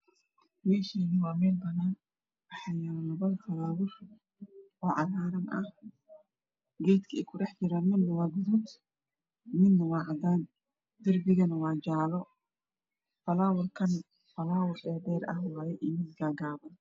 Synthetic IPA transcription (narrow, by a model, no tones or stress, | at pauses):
jɛːʃinɪwaːmɛːlbɐnaːn | bɐħɐjalɐbɐðfɐlaːwʊr | ʔɔːʕaðaːɾɐnʔɐh | ɡɛjt̪kʰɐɪkʰʊɾɐħd͡ʒɪɾɐnmɪnːɐwaːɡʊd̪ʊt̪ | mɪnːɐwaːʕad̪aːn | d̪ɪɾbɪɡɐnɐwaːd͡ʒaːlɔ | fɐlaːwʊɾkʰɐn | fɐlaːwʊɾɛːd̪ɛːɾɐhwaːjɛʔɪmɪd̪ɡaːɡaːbɐn